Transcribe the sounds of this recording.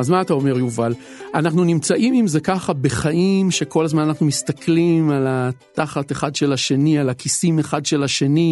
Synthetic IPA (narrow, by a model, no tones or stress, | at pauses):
azmaːtao̞me̞ʁjuval | anaχnunimt͡saʔimimzekaχabe̞χaʔimʃe̞ko̞lazmananaχnumist̪aklimalat̪aχat̪eχadʃe̞laʃe̞nialakisime̞χadʃe̞laʃe̞ni